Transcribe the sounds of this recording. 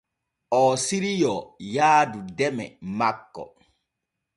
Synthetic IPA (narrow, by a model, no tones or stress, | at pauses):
ʔɔːsiɾijɔjaːdudɛmɛ̰makːɔ̰